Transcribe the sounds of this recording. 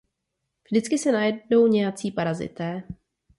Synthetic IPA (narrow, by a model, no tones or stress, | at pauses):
vʒdɪt͡skɪsɛnajɛdno̞wɲɛjat͡siːpaɾazɪ̰t̪ɛː